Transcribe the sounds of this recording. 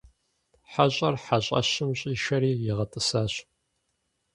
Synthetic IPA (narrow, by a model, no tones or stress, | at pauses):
ħaɕʼɐrħaɕʼɐ̰ɕɪmɕʼiːʃɐɾiːjɪʁɐtʼɨsaːɕ